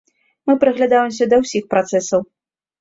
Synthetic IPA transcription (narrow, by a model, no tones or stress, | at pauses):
mɨpɾɨɣlʲad̪awɛmsʲɐd̪ɐwsʲixpɾat̪sɛsɐw